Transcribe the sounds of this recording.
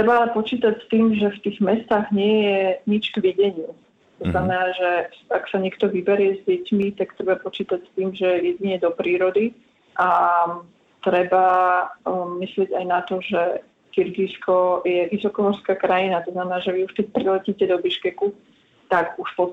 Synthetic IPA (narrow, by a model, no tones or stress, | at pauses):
t̪ɾɛbaalɛpɔt͡ʃiːt̪acst̪iːmʒɛft̪iːɣmɛst̪aːɣɲɪɛjɛɲit͡ʃɡʋiɟɛɲɪu | t̪ɔznamɛnaːʒɛaksaɲɪɛk̚t̪ɔʋibɛɾɪɛzɟɛcmit̪akt̪ɾɛbapɔt͡ʃiːt̪acst̪iːmʒɛjɛɟiɲɛd̪ɔpɾiːɾɔd̪i | ʔa | t̪ɾɛba | mislɪɛɟajnat̪ɔʒɛ | kiɾɡiskɔjɛʋisɔkɔɦɔɾskaːkɾajinat̪ɔznamɛnaːʒɛʋiuʃkɛc̚pɾilɛciːcɛd̪ɔbiʃkɛku | t̪akuʃpɔ